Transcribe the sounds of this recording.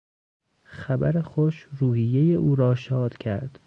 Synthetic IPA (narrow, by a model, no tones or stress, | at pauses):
xæbæɾexoʃɾuːhijːe̞jeʔuːɾɒːʃɒːd̪̥cʲʰæ̰ɾd̪̥